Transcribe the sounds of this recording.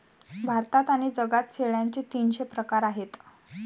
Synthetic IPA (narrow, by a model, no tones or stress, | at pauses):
bʱaɾt̪at̪aɽ̃id͡zəɡat̪̚t͡sʰeɭjaɲt͡ɕet̪iːnɕepɾəkaɾaɦet̪